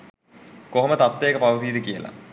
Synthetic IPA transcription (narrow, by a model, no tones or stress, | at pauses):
koɦomət̪at̪ːeːkəpaʋəsiːd̪əkijə̰la̰